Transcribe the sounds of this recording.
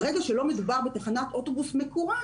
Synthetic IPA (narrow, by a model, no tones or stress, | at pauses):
ʁeɡaʃelo̞medubaʁbet̪aχanatʔotobusmekoʁa